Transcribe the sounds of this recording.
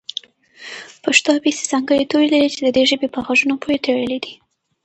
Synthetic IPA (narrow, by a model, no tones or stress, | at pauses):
paʂt̪ɑbese̥z̥ɑŋɡəɽet̪oɾelaɾit͡ʃed̪əd̪eʒəbepəɣaʒunopʰoɾet̪eɽəled̪i